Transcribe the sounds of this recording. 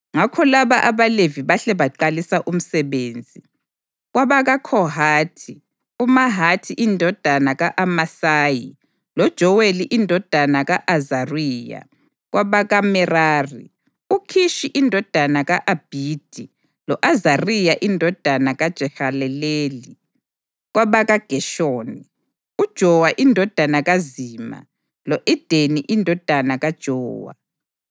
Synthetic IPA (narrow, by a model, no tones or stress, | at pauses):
ŋakʰɔlaβaʔaβaleviβaɬɛβaǃalisaʔum̩sɛβeːnd͡zʱi | ɣwaβaɣakʰɔɦaːtʰi | umaɦatʰiʔindʱɔd̥ʱanaɣaʔamasaːji | lɔd̥ʒ̥ʱɔweliʔindʱɔd̥ʱanaɣaʔazariːja̰ | ɣwaβaɣamɛraːri | ukʰiʃiʔindʱɔd̥ʱanaɣaʔab̥ʱiːd̥ʱi | lɔʔazarijaʔindʱɔd̥ʱanaɣad̥ʒ̥ʱɛxalɛleːli | ɣwaβaɣaɡ̥ʱɛʃoːni | ud̥ʒ̥ʱɔwaʔindʱɔd̥ʱanaɣaziːma̰ | lɔʔid̥ʱeniʔindʱɔd̥ʱanaɣad̥ʒ̥ʱɔːwa̰